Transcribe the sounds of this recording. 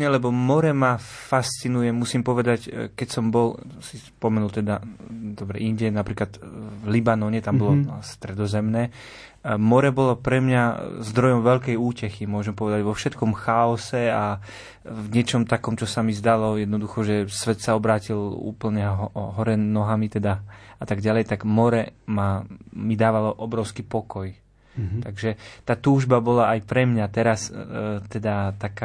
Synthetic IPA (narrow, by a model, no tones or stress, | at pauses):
ɲɛlɛbɔmɔɾɛmafast͡sinujɛmusimpɔʋɛd̪ackɛcsɔmbɔlsispɔmɛnult̪ɛd̪ad̪ɔbɾɛ̰ʔiɲɟɛnapɾiːklad̪vlibanɔɲɛt̪ambɔlɔst̪ɾɛd̪ɔzɛmnɛː | mɔɾɛbɔlɔpɾɛmɲazd̪ɾɔjɔmʋɛʎkɛjuːcɛximʊɔʒɛmpɔʋɛd̪aɟʋɔfʃɛt̪kɔmxaɔsɛa | vɲɪɛt͡ʃɔmt̪akɔmt͡ʃɔsamizd̪alɔjɛd̪̚nɔd̪uxɔʒɛsʋɛt̪saɔbɾaːcilṵːpl̩ɲɛɦɔɾɛnɔɦamit̪ɛd̪aat̪aɡɟalɛjt̪aɡmɔɾɛmamid̪aːʋalɔʔɔbɾɔʊskipɔkɔj̪ | aɡʒɛt̪aːt̪uːʒbabɔlaajpɾɛmɲat̪ɛɾast̪ɛd̪at̪aka